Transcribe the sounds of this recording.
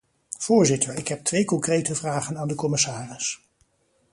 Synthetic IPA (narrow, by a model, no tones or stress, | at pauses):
v̥ʊːɹzɪtʰəɹɪkɦɛp̚tʋejkɔŋkrejtəvraːχənaːndəkɔmɪsaːrɪs